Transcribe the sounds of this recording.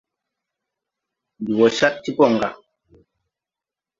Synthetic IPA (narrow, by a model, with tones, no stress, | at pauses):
du˨wɔ˨ʃa˦t̚ti˦pɔ˦˨ŋ̩˨ɡa˨